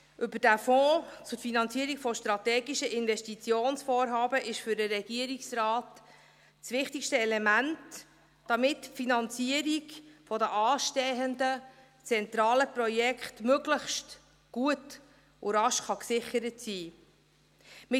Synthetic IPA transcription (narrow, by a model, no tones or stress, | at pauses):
ʔʏbəd̥æfɔːt͡sʊɾfinɑnt͡siəɾikfɔʃtɾɑt̪ɛːɡiʃəʔɪnvɛʃtit͡sjoːnsfɔːɾɦɑːbəʔɪʃfʏɾdəɾɛɡ̥iəɾiksrɑːt | sʋɪχtikʃtəɛlɛmænt | d̥ɑmɪtfinɑnt͡siəɾikfɔdəʔɑːʃtɛɦəndə | t͡sɛnt̪ɾɑːləprɔjɛkχtmøɡləχʃt | ɡ̥uət | ʊɾɑʃχɑksɪχəɾətsiː | mɪ